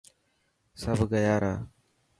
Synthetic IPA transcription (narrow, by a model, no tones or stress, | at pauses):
səbʱɡəjaːɾaː